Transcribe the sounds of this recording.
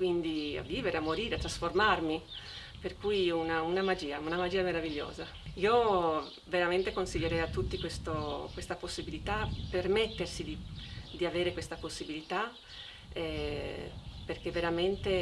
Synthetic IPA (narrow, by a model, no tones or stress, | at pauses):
kwind̪ia̰viːveɾeamːoɾiːɾeat̪ːɾasformarmi | perkujunaunamad͡ʒiːaunamad͡ʒiːameɾaviʎːo̰ːza | io | veɾament̪ekonsiʎːeɾɛjat̪ːut̪ːikwest̪okwest̪aposːibilit̪apermet̪ːersid̪id̪iaveːɾekwest̪aposːibilit̪a | ɛ | perkeveɾament̪e